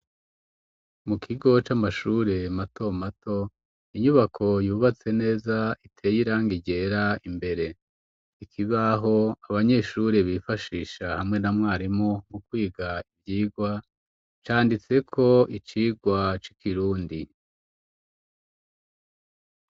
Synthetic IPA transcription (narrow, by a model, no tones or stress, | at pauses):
mukʰiɡo̞t͡ʃamaʃuɾe̞mato̞matʰo̞ | iɲuβakʰo̞juːβat͡se̞ne̞ːzaitʰe̞ːjiɾaːŋɡiɟe̞ɾaimbe̞ɾe̞ | ikʰiβaɦo̞aβaɲe̞ʃuɾe̞βifaʃiːʃahamŋe̞namŋaːɾimoŋukwiːɡaivjiːɡwa | t͡ʃaːndit͡se̞kʰo̞it͡ʃiːɡwat͡ʃikiɾuːndi